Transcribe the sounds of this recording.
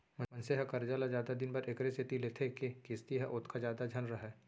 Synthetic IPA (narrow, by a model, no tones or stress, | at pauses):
mɐ̃mɐ̃nseɦakɐɾd͡ʒalazjaːd̪ad̪ɪnbɐɾekɾesɪt̪ileːt̪ʰekekɪst̪iɦɛʔʊt̪ʰkazjaːd̪ad͡ʒʱɐnɾɐɦɛː